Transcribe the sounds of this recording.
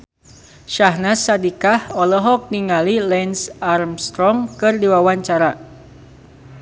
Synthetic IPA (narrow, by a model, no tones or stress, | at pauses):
ʃaɦnasadikahɔlɔɦɔk̚niŋalilɛnsarmst̪ɾɔŋkɨrdiwawaɲt͡ʃaɾa